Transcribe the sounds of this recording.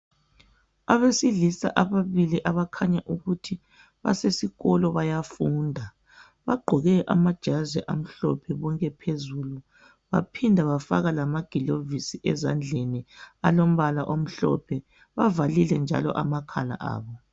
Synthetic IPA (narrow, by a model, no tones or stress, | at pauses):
aβesiɮisa̰ʔaβaβiliʔaβakʰaɲaʔuɣutʰi | βa̰sesiɣɔlɔβajafuːndʱa | βaɡ͡ǃʱɔɣɛʔa̰mad̥ʒ̥ʱazɛʔa̰m̩ɬɔ̰pʰɛβɔŋkʼɛpʰezulu | βa̰pʰindʱaβafa̰ɣalamaɡ̥ʱilovisiʔɛzand͡ɮʱenialom̩βalaʔom̩ɬɔ̰pʰɛ | βavalilɛnd͡ʒʱa̰lɔ̰ʔamakʰala̰ʔa̰ːβɔ